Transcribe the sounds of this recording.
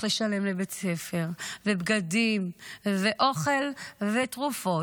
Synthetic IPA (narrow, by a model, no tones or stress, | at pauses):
leʃale̞mlebet͡sefe̞ʁvebɡadimveʔo̞χe̞lvetʁufo̞